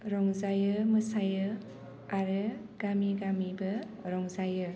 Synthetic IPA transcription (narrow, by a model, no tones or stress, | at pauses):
ɾɔŋzajɯmɯsajɯ | aɾɯɡ̥amiɡamibɐ | ɾɔŋzajɯ